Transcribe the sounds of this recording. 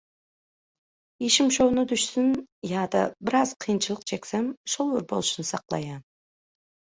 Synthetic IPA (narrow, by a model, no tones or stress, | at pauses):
jeʃɪmʃownɨd̪ʊʃsɪnjɑːd̪ɑ̰bɪɾɑz̥qʰijnt͡ʃʰɨlˠəq̚t͡ʃʰekʲsemʃolˠʊɾbolˠɨʃnɨsɑqlˠɑ̰jɑn